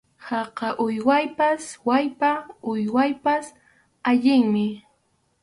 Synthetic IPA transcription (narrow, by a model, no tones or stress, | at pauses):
hɑqɑʔʊjwajpaswajpaʊjwajpas | aʎɪŋmɪ